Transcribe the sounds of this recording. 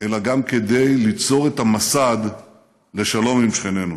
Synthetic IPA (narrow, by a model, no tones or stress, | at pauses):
e̞laɡamke̞d̪e̞jlit͡so̞ʁet̪amasad̪ | le̞ʃalo̞mimʃχene̞nu